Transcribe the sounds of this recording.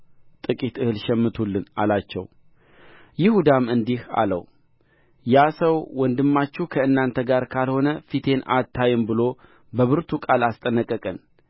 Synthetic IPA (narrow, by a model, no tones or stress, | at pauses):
t̪ʼɨkʼit̪ɨhɨlʃɛmːɨt̪ʰulːɨna̰lat͡ʃːɛ̰w | jɪhud̪amɨnd̪iha̰lə̰w | jasəwwɔnd̪ɨmːat͡ʃːukʰəɨnːant̪ʰəɡaɾkʰalho̞nəfit̪ʰe̞na̰t̪ʰːajɨmbɨlo̞ | bəβɨɾt̪ʰukʼalast̪ʼənːəkʼːəkʼən